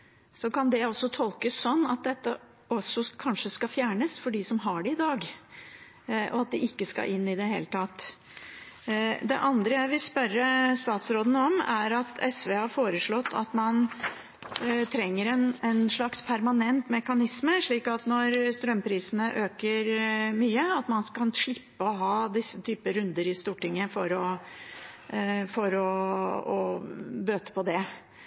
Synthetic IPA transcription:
sɔkɑnd̪ɛɔsːɔt̪ʰɔlkəsːɔnːɑt̪̚d̪ɛt̪ːə | ɔsːɔkʰɑnʂəskɑfjæːɳəsfɔɖɪsɔmɦɑɖɛɪd̪ɑːɡ | ʔɔ̰ɑt̪̚d̪ɪʔɪkːəskɑ̰ʔɪnːɪd̪ɛɦḛːlət̪ʰɑt̪ː | d̪ɛ̰ʔɑnd̪ɾəjæɪʋɪlspœɾːəst̪ɑːt̪sɾoːd̪n̩ɔmæɾɑt̪ʰɛsʋeːɑɾfoːɾəʂɭɔt̪ʰːɑ̰t̪mɑn | t̪ʰɾɛŋːəɾɛnɛnʂɭɑkspʰæɾmɑnɛnt̪mɛkɑnɪsməʂɭiːkɑt̪nɔɾst̪ɾœmːpʰɾiːsənəʔøːkəɾmyːəɑt̪mɑnskɑnʂɭɪpːəɔɦɑːd̪ɪsːət̪ʰyːpəɾʉnd̪əɾɪst̪uːʈɪŋːəfɔɾɔ | fɔɾɔɔbøːt̪ə̥pʰɔd̪ɛ

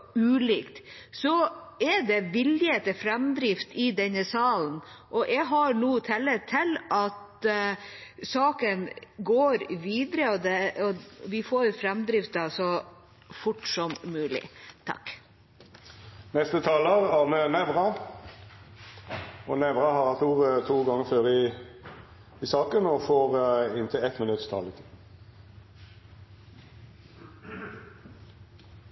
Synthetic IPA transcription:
ʉːliːkt̪ | sɔɛɖ̪ɛʋɪljət̪ɛfɾɛmd̪ɾɪft̪ɪd̪ɛnːəsɑːln̩ | ʔɔʔɛɡɦɑɾɳuːt̪ʰɛlːət̪ʰɪlɑt̪ | sɑːkənɡoːɾʋiːd̪əɾəɔd̪ɛɔʋɪfoːɾfɾɛmd̪ɾɪft̪ɑsɔ | fʊʈsɔmːʉːlɪ̰t̪ʰɑ̰k | nɛst̪ət̪ʰɑːləʁæʁmɛnɛʋʁɑ | ɔnɛʋʁɑhɑʁhɑt̪uːʁt̪ʰuːɡɑŋəføːʁɪ | ɪsɑːkənɔfoːʁɪnt̪ʰɪlɛt̪mɪnʉt̪st̪ʰɑ̰ːlɪt̪ʰi

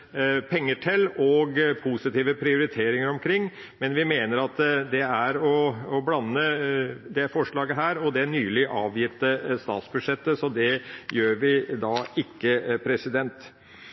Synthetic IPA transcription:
pʰɛŋːəʈʰɛlːɔɡpʰusɪt̪iːʋəpʰɾɪʊɾɪt̪ʰeːɾɪŋəɾɔmkʰɾɪŋː | mɛnʋɪmeːnəɾɑt̪d̪ɛæɾɔɔblɑnːəd̪ɛfɔʂɭɑːɡəɦæːɾɔd̪ɛɳyːlɪʔɑːʋjɪt̪ːəst̪ɑ̰ːt̪sbʉd̪ʂɛt̪ːəsɔd̪ɛjøːɾʋɪd̪ɑːɪkːəpʰɾɛsɪd̪ɛnt̪

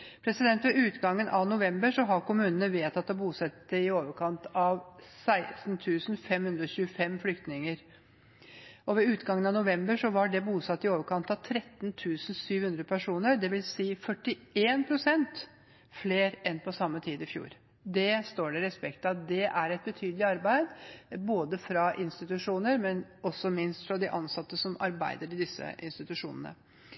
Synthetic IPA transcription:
pʰɾɛsɪd̪ɛnt̪ʋɛʉːt̪ɡɑŋːənʔɑʋnʊʋɛmbəʂɔɦɑɾkʊmʉːnənəʋeːt̪ɑt̪̚d̪ɔbuːsɛt̪ːəɪoːʋəɾkʰɑnt̪ɑʋsæɪsnt̪ʰʉːsn̩fɛmhʉnd̪ɾɔɕʉːəfɛmflʏkt̪nɪŋəɾ | ɔʋɛʉːt̪ɡɑŋənɑnʊʋɛmbəʂɔʋɑɖɛbuːsɑt̪ːɪoːʋəɾkʰɑnt̪ɑʋt̪ʰɾɛt̪ːnt̪ʰʉːsn̩syːʋhʉnd̪ɾəpʰæʂuːnəɾd̪ɛʋɪlsiːfœʈːɪeːnpʰɾʊsɛnt̪ | fleːɾɛnpʰɔsɑmːət̪ʰiːd̪ɪfjṵːɾ | d̪ɛst̪oːɖɛɾɛspɛkt̪ɑt̪̚d̪ɛʔæɾɛt̪̚bət̪ʰyːd̪lɪɑɾbæɪd̪boːd̪əfɾɑʔɪnst̪ɪt̪ʉʂuːnəɾmɛnɔsɔmɪnst̪fɾɑd̪ɪʔɑnsɑt̪ːəsɔmɑ̰ɾbæ̰ɪd̪əɾɪd̪ɪsːə̰ʔɪ̰nst̪ɪt̪ʉʂṵːnənə̰

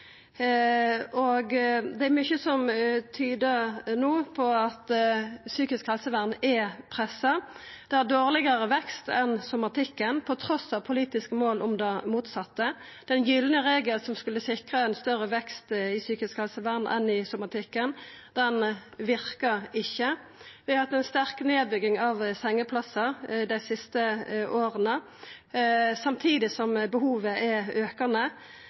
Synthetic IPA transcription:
ɔɡd̪ɛæɾmʏçəsɔmt̪ʰyːd̪ənuːpʰɔɑt̪syːkɪskhɛlsəʋæʁnɛpʰʁɛsːɑd̪̥ɛæd̪oːʁlɪɡəʁəʋɛkst̪ɛnsʊmɑt̪ʰɪkːənpʰɔt̪ʰɾɔsɑʋpʰʊliːt̪ɪskəmoːlʔɔmd̪ɑmuːt̪sɑt̪ːə | d̪̥ɛnjʏlnəʁeːɡəlsɔmskʉlːəsɪkʁəɛnst̪œɾəʋɛkst̪ɪsyːkɪskhɑlsəʋænɛ̰nɪsʊmɑt̪ʰɪkːənd̪̥ɛnʋɪɾkəɪçːə | ʋɪɑhɑt̪ːɛnst̪æɾkneːd̪̚bʏɡɪŋɑʋsɛŋːəpʰlɑsəd̪æɪsɪst̪əʔoːɾənə | sɑmt̪ʰiːd̪ɪsɔmbəhuːʋəʔɛøːkənə

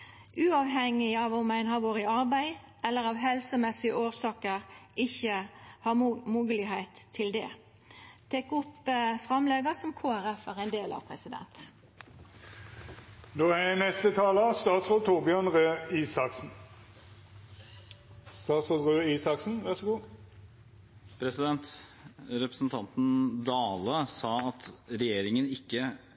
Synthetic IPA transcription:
ʔʉːɑːʋɦɛŋːɪɑːʋʊmæɪnhɑʋoːʁəɑʁbæɪ | ʔɛlːəʁɑʋɦɛlsəmɛsɪəʔoːʁsɑːkəʁʔɪçəhɑmuːɡəlɪhæɪt̪ʰːɪld̪ɛ̰ː | t̪ʰekʊpfʁɑmlɛɡəsɔmkʰoːæɾɛfæːʁæɪnd̪eːlʔɑ̰ʋpʰʁɛsɪd̪ɛ̰nt̪ | d̪oːæɛnɛst̪ət̪ʰɑːləst̪ɑːt̪sʁoːlt̪ʰuʁbjœnʁøːiːsɑksn̩ | st̪ɑːt̪sʁoːlʁøːiːsɑksn̩ʋæʁsɔɡuː | pʰɾɛsɪd̪ɛnt̪ɾɛpɾə̥sn̩t̪ʰɑnt̪n̩d̪ɑːləsɑːɑt̪ɾɛjeːɾɪŋənɪkːə

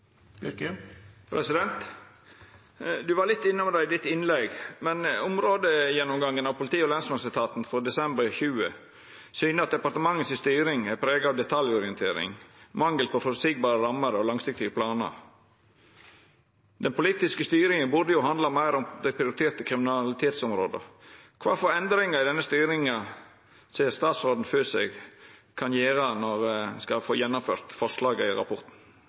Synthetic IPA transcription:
pʰɾɛsɪd̪ɛnt̪ | d̪ʉʋɑɾlɪt̪ːɪnːəmɛd̪æɪd̪ɪt̪ːɪnlɛɡmɛnʊmɾoːd̪əjɛnːʊmɡɑŋːənɑʋpʰʊlɪt̪iːəɔlɛnsmɑnsɪt̪ʰɑːt̪nfɔɾd̪ɛsɛmbəɾçʉːə̰ | syːnəɑt̪̚d̪ɛpɑɾt̪əmɑŋːət̪sɪst̪yːɾɪŋæɾpʰɾeːɡɑːʋd̪ɛt̪ʰɑljɔɾɪənt̪ʰeːɾɪ̰ŋmɑŋɡəlpʰɔfɔɾsiːɡ̚bɑːɾəɾɑmːəɾəɔlɑŋsɪk̚t̪ɪɡəpʰlɑːnə̰ɾ | d̪ɛnpʰʊliːt̪ɪskəst̪yːɾɪŋənbʉd̪əjʊhɑnd̪lɑmæɪɾɔmd̪æɪpʰɾɪʊɾɪt̪ʰeːɾt̪əkʰɾɪmɪnɑlɪt̪ʰeːt̪sɔmɾoːd̪ə̰kʰʋɑːfɔɾɛnd̪ɾɪŋɑɪd̪ɛnːəst̪yːɾɪŋɑ | seːɾst̪ɑːt̪sɾoːd̪n̩føːsɛɡkʰɑnjeːɾənɔɾskɑfoːjɛnːʊmfø̰ːɾt̪fɔʂlɑːɡəɪɾɑ̰pʰɔɾt̪n̩

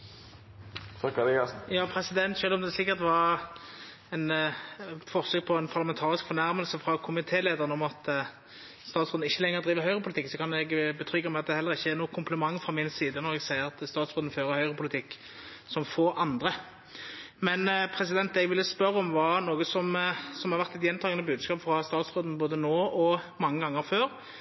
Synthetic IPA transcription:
t̪ʰɑkɑd̪ɛɑsjɑːpʰɾɛsɪd̪ɛnt̪ʃøːlɔmd̪ɛslɪkːət̪ʋɑɾ | ɛn | fɔʁsøːk̚pʰɔɛnpʰɑʁlɑmɛnt̪ʰɑːʁɪskfɔɾnæɾməlsəfʁɑkʰʊmɪt̪ʰeːleːd̪əʁənɔmɑt̪ | st̪ɑːt̪sʁød̪ɪçːəlɛŋːəʁd̪ʁiːʋəhœʏʁəpʊlt̪ɪksɔkʰɑnɛɡbət̪ʰʁʏɡəmɛɑt̪̚d̪ɛhɛlːəʁɪçːəɛʁnuːkʰʊmpʰləmɑŋːfʁɑmɪnsiːd̪ənɔʁɛɡsæɪəɾɑt̪st̪ɑːt̪sʁoːd̪n̩føːɾəhœʏʁəpʰʊlɪt̪ʰɪkː | sɔmfoːɾʔɑnd̪ʁə | mɛnpʰɾɛs̬ɪd̪ɛnt̪ɛɡʋɪlːəspœɾːəɔmʋɑːnoːɡəsɔmsɔmhɑɾʋæʁt̪ɛt̪jɛnt̪ʰɑːɡənəbʉːd̪skɑːpfɾɑst̪ɑːt̪sʁoːd̪n̩boːd̪ənoːɔmɑŋːəɡɑŋːəɾføːɾ

